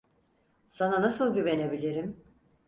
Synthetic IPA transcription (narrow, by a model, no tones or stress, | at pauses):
sananasɯlˠɟyve̞ne̞bilʲiɾim